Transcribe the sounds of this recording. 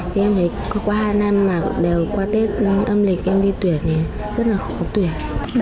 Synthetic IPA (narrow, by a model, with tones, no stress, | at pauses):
t̪ʰi˨˩ʔɛ˧mt̪ʰə˨˦jkɔ˨˦kwaː˧ɦaː˧jna˧mːaː˨˩ɗe˨˩wkwaː˧t̪e˦˥t̚ʔə˧mlï˨˩k̟̚ʔɛ˧mɗi˧t̪wi˧˩ənt̪ʰi˨˩ | zə˦˥t̚laː˨˩xɔ˨kɔ˨˦t̪wi˧˩ən